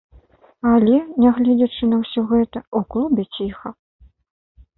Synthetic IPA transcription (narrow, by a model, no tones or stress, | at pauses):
alʲɛnʲaɣlʲɛd͡zʲɐt͡ʂɨnɐwsʲɔɣɛt̪ɐuklˠubʲɛt͡sʲixɐ